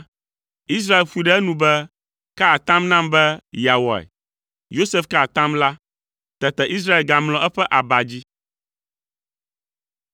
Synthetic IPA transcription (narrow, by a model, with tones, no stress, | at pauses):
i˦s̬ɾa˦e˨lɸu˦i˨ɖɛ˦ɛ˦nũ˨bɛ˦ | ka˦a˨t̪ã˦mnã˦mbɛ˦ja˨wɔ̰˨ɛ̰˨ | jo˦se˦fka˦˨t̪ã˦mla˦ | t̪ɛ˨t̪ɛ˨ʔi˦s̬ɾa˦e˨lɡa˨mlɔ̃˨ʔɛ˦ɸɛ˦ʔa˨ba˨d͡ʑi˦